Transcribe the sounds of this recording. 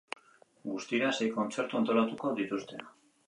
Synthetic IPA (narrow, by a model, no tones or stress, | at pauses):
ɡust̪iɾase̞jko̞nt͡se̞ɾt̪uant̪o̞lat̪uko̞ðit̪ust̪e̞